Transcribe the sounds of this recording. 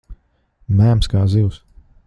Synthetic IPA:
mæːmskaːziws

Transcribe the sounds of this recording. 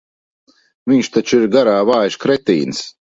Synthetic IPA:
viɲʃt̪at͡ʃiɾɡaɾaːvaːjʃkɾɛt̪ḭːnɨs

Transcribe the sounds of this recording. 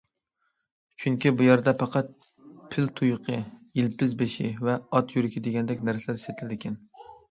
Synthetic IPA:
t͡ʃʰyŋkʲibujɛɾd̪ɛpʰɑqʰɑt̪̚ | pʰɪlt̪ʰujqʰəjilpɪzbeʃḭvɛɑt̪jyɾɪkʲʰid̪ɪɡʲɛnd̪ɛkʲnæɾsɛlæɾset̪ʰɪlɪd̪ɪkʲʰɛn

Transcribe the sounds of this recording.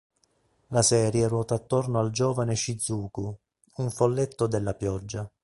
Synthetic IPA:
lasɛːɾjerwɔːt̪aːt̪ːornoald͡ʒɔːvaneʃid̪zːuːku | uɱfolːet̪ːod̪elːapjɔd͡ʒːa

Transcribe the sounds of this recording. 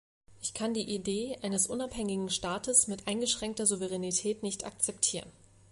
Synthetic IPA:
ʔɪçkʰandiːʔideːʔaɪnəsʔʊnaphɛŋɪɡŋ̩ʃtaːtəsmɪtʔaɪnɡəʃʁ̥ɛŋk̚tɐzuvəʁ̞ɛnitʰɛːtnɪçta̰k̚t͡sɛptʰiːʁən

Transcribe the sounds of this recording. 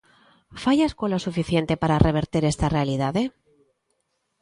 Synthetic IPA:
faʝaskwalosufiθje̞nt̪e̞paɾare̞β̞e̞ɾt̪iɾe̞st̪are̞aliðaðe̞

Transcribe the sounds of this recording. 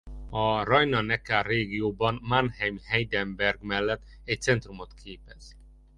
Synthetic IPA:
ɒrɒjnɒnɛkaːreːɡijoːbɒnmanhɛmhɛjd̪ɛmbɛrɡmɛlːɛt̪ː | ɛc̚t̪sɛnt̪rumot̪kʰeːpɛz̥

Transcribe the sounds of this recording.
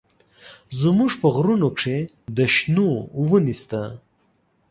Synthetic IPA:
zmuʐpəɣɾunokʂe | d̪əʃnowənist̪a

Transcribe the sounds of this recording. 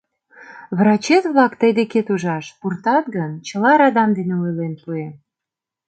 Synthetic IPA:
βrɑt͡ɕet̪βlɑkt̪əjd̪eket̪uʒɑʃpurt̪ɑt̪ɡənt͡ɕəlɑɾɑd̪ɑmd̪eneujlenpue

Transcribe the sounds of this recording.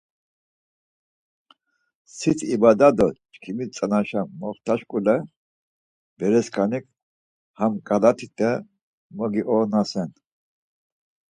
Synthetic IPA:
sit̪ʰibad̪ad̪ɔt͡ʃkʰimit͡sʼanaʃammɔχt̪ʰaʃkʼulɛ | b̥ɛɾɛskʰanikʰ | hamkʼalat̪ʰit̪ʼɛ | mɔɡiʔɔnasɛn

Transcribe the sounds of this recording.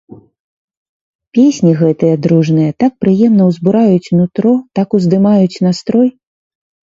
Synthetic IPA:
pʲesʲnʲiɣɛt̪ɨjɐd̪ɾuʐnɨjɐt̪ak̚pɾɨjɛmnɐwzbuɾajut͡sʲnut̪ɾɔt̪akuzd̪ɨmajut͡sʲnast̪ɾɔj

